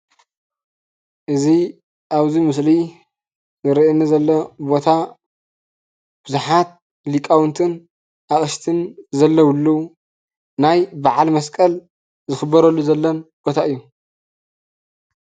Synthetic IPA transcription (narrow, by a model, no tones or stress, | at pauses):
ʔɨzi | ʔaβzimɨsli | zɨɾiʔnːizɐlːɐbo̞t̪ʰa | b̥ɨzuħat̪̚ | likʼawnt̪ʰɨn | ʔaχʼɨʃt̪ʰɨnzɐlːɐwɨlːu | najbaʕalmɐskʼɐl | zɨxɨbːɐɾɐlːuzɐlːɐnb̥o̞t̪ʰaʔɨjːu